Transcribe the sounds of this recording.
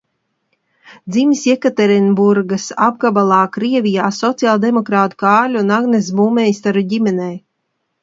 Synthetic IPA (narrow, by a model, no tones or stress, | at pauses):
d̪zimisʲɛkat̪ɛɾinbuɾɡasab̚ɡabalˠɑːkɾiɛvʲijaːsɔt̪sijalˠd̪emɔkɾaːt̪u̥kaːlʲunaɡnesbuːmɛjst̪aɾuɟimɛnɛj